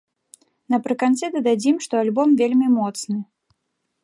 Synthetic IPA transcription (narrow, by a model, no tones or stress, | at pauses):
nɐpɾɨkant̪sɨd̪ɐd̪ad͡zʲimʂt̪ɔalʲbɔmvʲelʲmʲimɔt̪snɨ